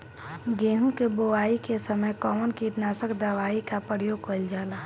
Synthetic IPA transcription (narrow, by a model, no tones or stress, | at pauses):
ɡeːɦũkeboaːikesəməjkɔːmənkiʈnaːsəkd̪əʋaːikapɾəjoːɡ̚kəld͡ʒaːla